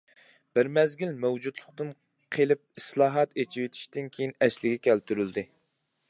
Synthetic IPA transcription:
b̥ɪɾmɛzɡʲilmɛwd͡ʒud̪lˠəqt̪ɨn | qʰelˠɪp̚islˠɑːɦɑt̪et͡ʃʰiwet̪ʰi̥ʃt̪ɪnkʲʰejinɛslɪɡʲɛkʲʰɛlt̪ʰyɾyld̪ɪ

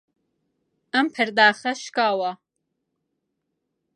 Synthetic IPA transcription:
ɐmpʰəɾd̪aːχɐʃkaːwa

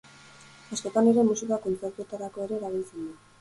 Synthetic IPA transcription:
asko̞t̪ane̞ɾe̞musikako̞nt͡se̞ɾt̪ue̞t̪aɾako̞e̞ɾe̞ːɾaβ̞ilt͡send̪u

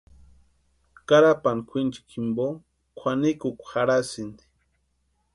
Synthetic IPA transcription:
kaɾapankʷʰint͡ʃi̥kʰimbo | kʷʰanikukʷxaɾasind̪i̥

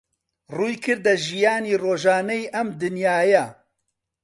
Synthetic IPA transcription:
ruːjkʰɨɾd̪ɐʒijaːniːroːʒaːnɐjʔɐmd̪ɨnjaːjɐ

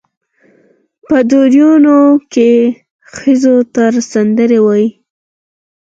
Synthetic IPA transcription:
pəd̪oɾjunoke | xəzot̪aɾsand̪əɾewaji

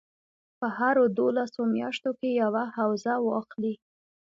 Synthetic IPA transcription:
pəhaɾod̪olasomjɑʃt̪okejawahawzawɑxli

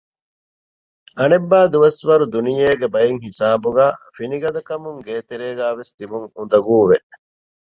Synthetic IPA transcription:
ɐnebːaːd̪uʋɐsʋɐɾud̪unijeːɡebɐjeŋhisaːbuɡæːfiniɡɐd̪ɐkɐmuŋɡeːt̪eɾeːɡæːʋest̪ibuŋund̪ɐɡuːʋe

